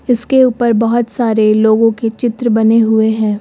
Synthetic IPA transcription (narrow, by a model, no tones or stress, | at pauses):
ɪskeuːpəɾbɐɦɔt̪saːɾeloːɡõket͡ʃɪt̪ɾəbɐneɦʊeɦɛ̃ː